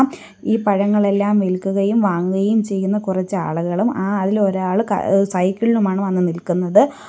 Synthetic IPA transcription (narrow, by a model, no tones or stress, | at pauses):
m | iːpɐɻɐŋːɐɭe̞lːaːmʋilkːuɣɐjumʋaːŋɣɐjumt͡ɕe̞jːunːɐkurɐt͡ɕːɨa̰ːɭuɣɐɭumaːðilo̞ɾaːɭɨkɐ̰sɐjkːiɭilumaːɳɨʋɐnːɨnilkunːɐðɨ